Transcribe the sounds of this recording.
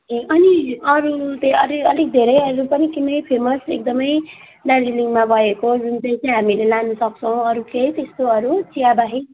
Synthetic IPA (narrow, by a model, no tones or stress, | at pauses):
ekʌniʌɾut̪eʌlikʌlik̚d̪ʱeɾʌjʌɾupʌnikinʌjpʰemʌsek̚d̪ʌmʌj | laliliŋɡmabʱʌekod͡zunt͡saĩt͡saj̃ɦamilelanʌsʌk̚t͡sʰʌw̃ʌɾuket̪est̪oʌɾut͡sijabaɦi